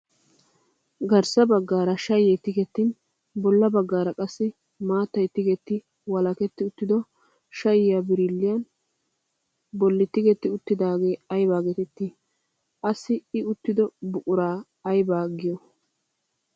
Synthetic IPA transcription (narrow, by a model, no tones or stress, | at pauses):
ɡɐɾsɐbɐɡːaːɾɐʃɐjɛt̪ːɪɡɛt̪ːɪn | bɔlːɐbɐɡːaːɾɐkʼɐsːɪ | maːt̪ːɐjt̪ːɪɡɛt̪ːɪ | wɐlɐkɛt̪ːɪʊt̪ːɪd̪ɔ | ʃɐjɪjabɪɾɪlːɪjɐn | bɔlːɪt̪ːɪɡɛt̪ːɪʊt̪ːɪd̪aːɡe̞ːɐjbaːɡɛt̪ɛt̪ːɪ | ʔɐsɪɪʊt̪ːɪd̪ɔbʊkʼʊɾaː | ɐjbaːɡɪjɔ